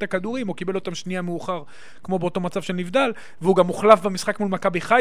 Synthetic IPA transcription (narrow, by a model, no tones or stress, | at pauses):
t̪akad̪uʁimukibe̞lo̞t̪amʃniameuχaʁ | kmo̞beot̪o̞mat͡sav̥ʃe̞lnivd̪al | veuɡamuχlafbemisχakmulmakabiχa